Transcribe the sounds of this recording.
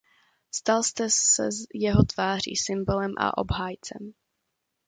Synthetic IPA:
st̪alst̪ɛsɛ̰jɛɦot̪v̥aːr̝ḭːsɪmbolɛmʔa̰ʔo̰bɦaːjt͡sɛ̰m

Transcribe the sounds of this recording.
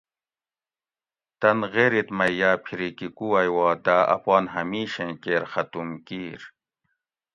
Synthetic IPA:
t̪ɐnɣeɾit̪mɐijaːpʰiɾikikuɐjwaːd̪aʔɐ̰paːnɦɐmiːɕẽkeːɾxɐt̪umkiːɾ

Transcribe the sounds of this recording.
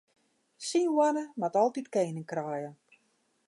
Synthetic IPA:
sinwanəmatɔlˠtitkeːnəŋkraːjə

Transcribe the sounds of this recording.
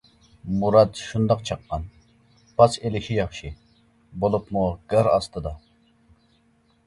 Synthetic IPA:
muɾɑd̪ʃund̪ɑqt͡ʃʰɑqːɑn | pʰɑselɪʃijɑχʃɨ | bolˠupmuɡ̥əɾɑ̰st̪ɨd̪ɑ

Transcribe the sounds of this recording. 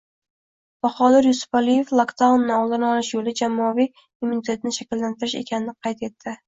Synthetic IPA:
b̥aχɒd̪ɪɾjʊsʊ̥falije̞flˠokt̪ʰawnːawlˠd̪anɒlɪʃjolɪd͡ʒamːɒavij | umːunit̪ʰe̞t̪ɪnɪʃakʲɪlːant̪ʰɪɾɪʃe̞̰kʲʰanɪnɪqʰɑjt̪e̞t̪ʰːɪ

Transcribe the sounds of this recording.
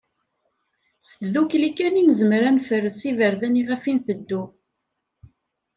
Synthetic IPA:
sθðuklikːæninzəmɾænfərːəsivəɾðæniʁæfinθəd̪ːu

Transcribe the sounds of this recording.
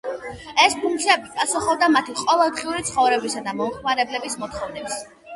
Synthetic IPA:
ɛspʰuŋkt̪sʰiabipʼasuχɔbd̪amat̪ʰiqʼɔvɛlˠd̪ʁiuɾit̪sʰχɔvɾɛbisad̪amɔmχmaɾɛblɛbismɔt̪χɔvnɛps

